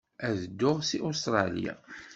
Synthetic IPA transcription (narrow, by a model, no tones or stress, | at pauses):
æðəd̪ːʊʁsiʔust̪ɾˤɑlḭja̰